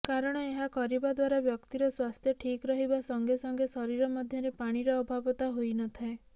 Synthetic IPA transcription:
kaɾɔɽ̃ɔeɦakɔɾibad̪waɾabjɔkt̪iɾɔswast̪ʰjɔʈʰikɾɔɦibasɔŋɡesɔŋɡesɔɾiɾɔmɔd̪ʱjɔɾepaɽ̃iɾɔːbʱabɔt̪aɦojnɔt̪ʰae

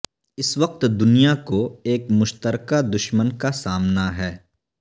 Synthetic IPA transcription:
ɪsʋɐq̚t̪d̪ʊnijakoeːkmʊʃt̪əɾkad̪ʊʃmənkasaːmnaɦɛː

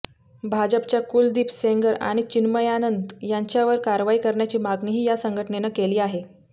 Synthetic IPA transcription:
bʱad͡ʑəpt͡ɕjakuld̪iːpseŋɡəɾa̰ɽ̃it͡ɕinməjanənd̪jaɲt͡ɕjaʋəɾkaɾʋaikəɾɳjat͡ɕiːmaɡɳiːɦiːjasəŋɡʱəʈɳenakeliːaɦe

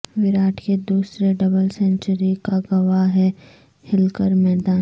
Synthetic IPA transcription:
ʋɪɾaːʈʰked̪uːsɾeɖɐbəlsɛ̃ɳt͡ʃəɾikaɡɐʋaɦɛ | hɪlkəɾmɛːd̪aː

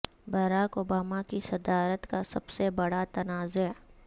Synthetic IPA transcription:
bɐɾaːkobaːmakisɐd̪aːɾət̪kasɐbsebɐɽat̪ɐnaːzʊɦɛ

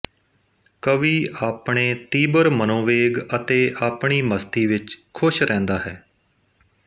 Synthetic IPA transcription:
kəʋiːaːpɳeːt̪iːbəɾmənõːʋeːɡət̪eːʔaːpɳiːməst̪iːʋɪt͡ʃkʰʊʃɾɛ̃ːnd̪aːɦɛː

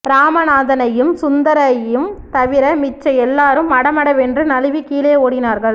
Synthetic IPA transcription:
ɾaːmɐnaːðɐnɐjɯmsʊnd̪ɐɾɐjɯmt̪ɐʋɪɾɐmɪt͡ʃːɐjɛlːaːɾɯmːɐɽɐmɐɽɐʋɛndrɯnɐlɯʋikiːlɐjɐoːɽɪnaːɾɣɐɭ

